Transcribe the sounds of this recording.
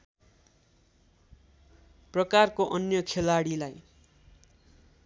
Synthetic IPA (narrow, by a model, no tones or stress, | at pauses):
prʌkarkoʔʌnjʌkʰelaɽilaj